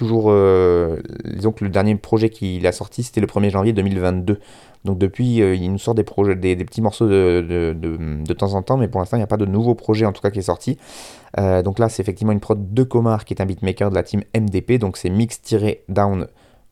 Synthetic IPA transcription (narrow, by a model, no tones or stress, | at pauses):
t̪uʒuːʁø | d̪izɔ̃kləd̪ɛʁnjepχɔʒɛkʰʲilasɔʁt̪ʰise̥t̪ɛləpχəmjeʒɑ̃vjed̪ømilvɛ̃t̪̚d̪ø | d̪ɔ̃k̚d̪əpɥiøinusɔʁt̪̚d̪epχɔʒɛd̪ed̪epə̥t̪imɔʁsoəd̪əd̪əd̪ət̪ɑ̃zɑ̃t̪ɑ̃mɛpuʁlɛ̃st̪ɑ̃iljapad̪ənuvopχɔʒɛɑ̃t̪u̥kakʲiɛsɔʁt̪ʰi | ød̪ɔ̃klasɛt̪efɛk̚t̪ivmɑ̃ynpχɔd̪d̪əkɔmaʁkʲiɛt̪ɛ̃bit̪mekœʁd̪əlat̪ʰimɛmd̪eped̪ɔ̃ksɛmikst̪iʁed̪awn